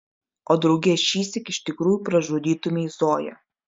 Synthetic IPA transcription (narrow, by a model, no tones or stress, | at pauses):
oːd̪ɾɐʊɡʲeːʃʲiːsʲɛkɪʃt̪ʲɪkɾuːjuːˑpɾɐʒoːd̪ʲiːt̪ʊmʲeizoːjɛ̰